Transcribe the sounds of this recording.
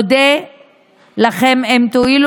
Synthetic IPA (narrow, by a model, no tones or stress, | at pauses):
d̪e | laχememt̪oil